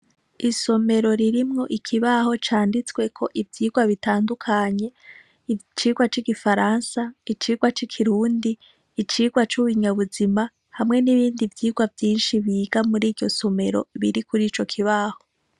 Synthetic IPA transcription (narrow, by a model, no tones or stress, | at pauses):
iso̞me̞ɾo̞ɾiɾimŋo̞ʔikʰiβaho̞t͡ʃaːndit͡swe̞kʰo̞ʔivjiːɡwaβitaːndukʰaɲe̞ | it͡ʃiːɡwat͡ʃiɡifaɾansait͡ʃiːɡwat͡ʃikʰiɾuːndiː | t͡ʃiːɡwat͡ʃuβiɲaβuzima | hamŋe̞niβiːndivjiːɡwavjiːnʃiβiːɡamuɾiːɾɟo̞so̞me̞ɾo̰βiɾikuɾiːt͡ʃo̞kʰiβaho̞